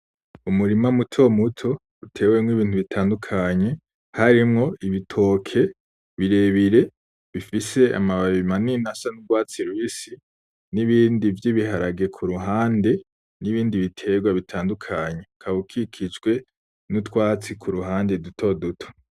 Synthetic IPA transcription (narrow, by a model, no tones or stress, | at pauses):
umuɾimamutʰo̞mutʰo̞ | utʰe̞wemŋwiβiːntuβitʰaːndukʰaɲe̞ | haɾimŋo̞iβitʰo̞ːkʰe̞ | βiɾe̞βiɾe̞ | βifise̞a̰maβaβimaninasanuɡwaːt͡siɾwiːsi | niβiːndivjiβiɦaɾaɡe̞kʰuɾuɦaːnde̞ | niβiːndiβitʰe̞ɡwaβitʰaːndukʰaɲe̞kʰaβukʰikʰit͡ʃɡwe̞ | nutwaːt͡sikʰuɾuɦaːnde̞dutʰo̞dutʰo̥